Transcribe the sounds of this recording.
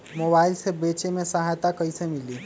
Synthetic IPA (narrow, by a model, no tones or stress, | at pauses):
mobailsebet͡ʃemesəɦajt̪akəisemili